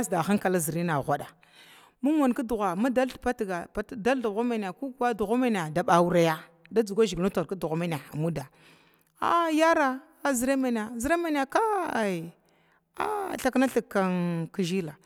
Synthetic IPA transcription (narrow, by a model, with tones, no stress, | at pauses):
a˦sda˨xa˦ŋka˨la˦zi˨ɾi˦na˨ɣʷa˨ɗa˨ | mu˦ma˨n˨ka˦du˨ɣa˨ma˦da˦lpa˦tɡa˨pa˦da˦ldu˨ɣa˦ma˨n˨a˨ku˦ɡwa˦du˨ɣa˦ma˦n˨a˨da˨ɓa˨wu˦ɾa˦ja˦ | da˦d͡zu˨ɡʷa˦ʒi˨ɡnu˦ta˨ɾka˦du˨ɣa˨ma˦n˨a˨a˨mu˦da˨ | a̰˦ja˦ɾa˦ | zi˨ɾe˦ma˨n˨a˨zi˨ɾe˦ma˦n˦a˨ka˦˨ | a̰˦ɬa˦kna˦ɬi˨kːa˦nki˦ʒi˦la˨